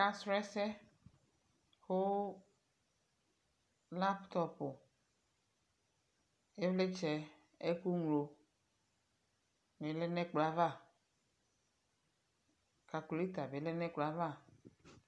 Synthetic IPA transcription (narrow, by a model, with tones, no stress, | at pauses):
ka˦stɾɛ˦sɛ˦ | xo˦ | la˦pt̪ɔ˦po˨ | e˦vle˦t͡ʃɛ˨ | e˦ku˦ŋlo˨ | me˨˦lɛ˦nɛ̃˦k͡pla˨va˦˨ | ka˨kli˦t̪a˨be˨˦lɛ˦nɛ̃˦k͡pla˨˦va˦˨